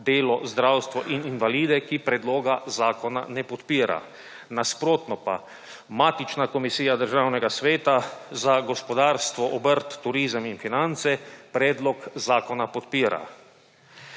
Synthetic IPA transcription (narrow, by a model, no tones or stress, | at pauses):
d̪eːlɔzd̪ɾawst̪ʋɔʔininʋaliːd̪ɛkipɾɛd̪loːɡazaːkɔna̰nɛpɔt̪piːɾa̰ | naspɾoːt̪nɔpa | maːt̪it͡ʃnakɔmisiːjad̪əɾʒaːwnɛɡasʋeːt̪azaɡɔspɔd̪aːɾst̪ʋɔʔɔbəɾt̪ːuɾiːzəminfinant̪sɛpɾɛːd̪lɔkzaːkɔnapɔt̪piːɾa̰